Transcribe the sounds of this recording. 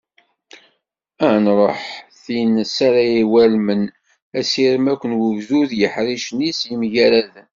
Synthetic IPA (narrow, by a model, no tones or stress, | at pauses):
ænɾˤoħθinsaɾæjiwælmən | æsiɾmækʷːənwəvzuðjəħɾiʃnisəmʝæɾæð